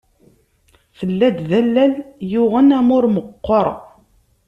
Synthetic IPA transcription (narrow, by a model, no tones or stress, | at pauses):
θəlːæd̪ðælːæljʊʁənæmʊɾməqːɔɾˤ